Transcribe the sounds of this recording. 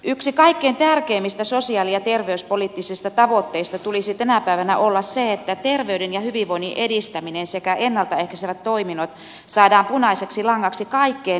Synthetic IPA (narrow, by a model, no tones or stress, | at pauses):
ʔyksikɑikːeːnt̪ærkeːmːist̪æsosiɑːlijɑt̪erʋeyspolit̪ːisist̪ɑt̪ɑʋot̪ːeist̪ɑt̪ulisit̪ænæpæiʋænæ̰ʔolːɑsseet̪ːæt̪erʋeydenjɑhyʋiʋʋoiniʔedist̪æminensekæʔenːɑlt̪ɑehkæseʋæt̪toiminot̪ | sɑːdɑːmpunɑiseksilɑŋːɑksikɑikːeːn